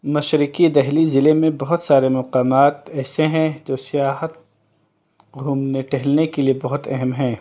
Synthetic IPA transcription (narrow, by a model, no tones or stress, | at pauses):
mɐʃɾɪkid̪ɛɦlizɪlemẽbɐɦʊt̪saːɾemɐqaːmaːt̪ɛːseɦɛ̃d͡ʒosijaːɦət̪̚ | ɡʱuːmneʈɛɦlnekeliebɐɦʊt̪ɐɦɛmɦɛ̃ː